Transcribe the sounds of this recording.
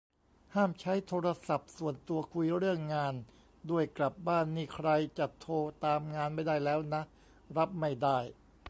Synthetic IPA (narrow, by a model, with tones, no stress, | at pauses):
haː˥˩mt͡ɕʰa˦˥jt̪ʰoː˧ɾa˧sa˨˩p̚su˨˩ənt̪u˧ɐkʰu˧jɾɯ˥˩əŋːaː˧n | du˧˩əjkla˨˩p̚baː˥˩nmiː˧˩kʰɾa˧jt͡ɕa˨˩t̪ʰːoː˧t̪aː˧mŋaː˧nma˥˩jdaː˥˩jlɛː˦˥wna˦˥ʔ | ɾa˦˥p̚ma˥˩jdaː˥˩j